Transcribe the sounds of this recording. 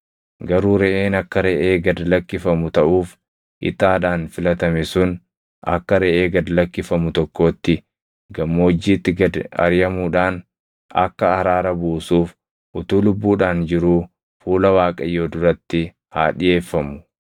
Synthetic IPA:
ɡɐɾuːɾɛʔeːnɐkːɐɾɛʔeːɡɐd̪lɐkːɪfɐmʊt̪ɐʔuːf | ʔɪ̰t̪aːᶑaːnfɪlɐt̪ɐmɛsʊn | ʔɐ̰kːɐɾɛʔeːɡɐd̪lɐkːɪfɐmʊt̪ɔkːo̞ːt̪ːɪ | ɡɐmːoːd͡ʒːiːt̪ːɪɡɐd̪ɐ̰ɾjɐmuːᶑaːn | ɐ̰kːɐːɾaːɾɐbuːsuːf | ʔʊt̪uːlʊbːuːᶑaːnd͡ʒɪɾuː | fuːlɐwaːkʼɐjːoːd̪ʊɾɐt̪ːɪ | haːᶑɪje̞ːfːɐmʊ̥

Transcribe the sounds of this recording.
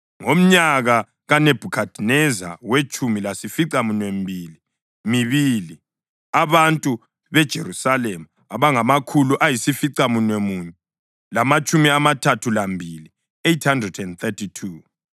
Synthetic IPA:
ŋom̩ɲaɣa | ɣaneb̥ʱukʰad̥ʱinɛza̰wet͡ʃʰʼumilasifiǀamunwembʱiːli | miβili | aβantʼu | βɛd̥ʒ̥ʱeɾusalemu | aβaŋamakʰuluʔajisifiǀamunwemuɲɛ | lamat͡ʃʼumiamatʰatʰulambʱili | ejthandrɛdɛndθʰɛtʰitʰu

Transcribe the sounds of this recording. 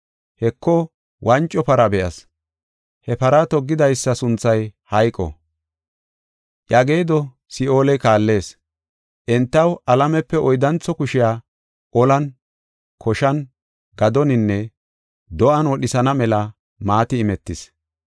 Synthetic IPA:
hɛkʰːɔ | wʔɐnt͡ʃʼːɔpɐɾɐbɛʔɐs | hɛpɐɾɐt̪ɔɡːɪd̪ɐjsːɐsʊnt͡sːɐjhɐjkʼːɔ̰ | ʔjɐɡe̞ːd̪ɔ | sɪo̞ːlɛkaːlːe̞ːs | ʔɛnt̪ːɐwɐlɐmɛpːɛɔjd̪ɐnt͡sːɔkʊʃɪjaː | ʔɔlɐn | kʰɔʃɐn | ɡɐd̪ɔnɪnːɛ | d̪ɔʔɐnwɔɗɪsɐnɐmɛlɐ | maːt̪ɪːmɛt̪ːɪs

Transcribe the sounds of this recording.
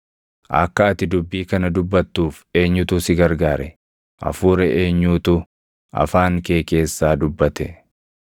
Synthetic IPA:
ʔɐ̰kːɐɐt̪ɪd̪ʊbːiːkɐnɐd̪ʊbːɐt̪ːuːfe̞ːɲːʊt̪ʊsɪɡɐɾɡaːɾɛ | ʔɐ̰fuːɾɛʔe̞ːɲːuːt̪ʊ | ɐ̰faːŋke̞ːke̞ːsːaːd̪ʊbːɐt̪ɛ

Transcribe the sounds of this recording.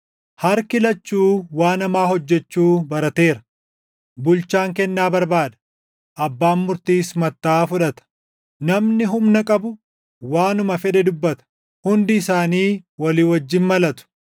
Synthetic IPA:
hɐɾkɪlɐt͡ʃːuːwaːnɐmaːhɔd͡ʒːɛt͡ʃːuːbɐɾɐt̪e̞ːɾɐ | bʊlt͡ʃaːŋkɛnːaːbɐɾbaːd̪ɐ̥ | ʔɐbːaːnmʊɾt̪iːsmɐt̪ːaːfʊᶑɐt̪ɐ̥ | nɐmnɪɦʊmnɐkʼɐbʊ | waːnʊmɐfɛᶑɛd̪ʊbːɐt̪ɐ̥ | hʊnd̪ɪɪsaːniːwɐliːwɐd͡ʒːɪnmɐlɐt̪ʊ̥

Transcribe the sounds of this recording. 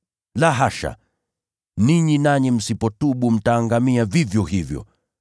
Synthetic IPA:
laɦaʃa̰ | niɲinaɲɛm̩sipɔtuɓum̩taːŋɡamiavivjɔhivjɔ̰

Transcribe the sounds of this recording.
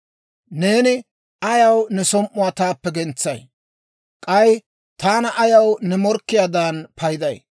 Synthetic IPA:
ne̞ːnɪ | ɐjɐwnɛsɔmʔʊwaːt̪aːpːɛɡɛnt͡sːɐj | kʼɐj | t̪aːnɐʔɐjɐwnɛmɔɾkːɪjaːd̪aːnpʰɐjd̪ɐj

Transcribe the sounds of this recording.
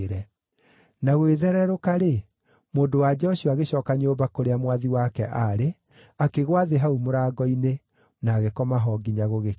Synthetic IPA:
ɾɛ | naɣweðɛɾɛɾokaɾe | moːndowad͡ʒɛɔɕuaɣeɕɔːkaɲoːbakoɾeamwaðiwakɛʔaɾe | akeɣwaðeɦaumoɾaɡɔine | naːɣekɔmaɦɔɡiɲaɣoɣe

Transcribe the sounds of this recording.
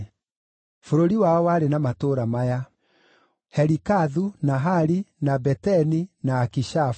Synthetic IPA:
foɾoɾiwaɔwaɾenamatoɾamaja | hɛɾikaðunaɦaɾinabɛtɛninaːkiʃa

